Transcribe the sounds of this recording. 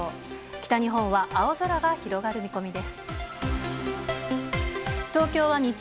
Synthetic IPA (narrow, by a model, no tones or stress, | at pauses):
kʲi̥t̪aɲ̟iɦõ̞ɰ̃βaʔao̞zoɾaɡaçiɾo̞ɡaɾɯ̟mʲiko̞mʲid̪e̞sɨ̥ | t̪o̞ːkʲo̞ːβaɲ̟i